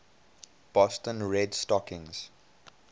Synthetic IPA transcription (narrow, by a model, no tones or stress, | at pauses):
b̥ɔstə̃nɹɛdstɔkɪ̃ŋz̥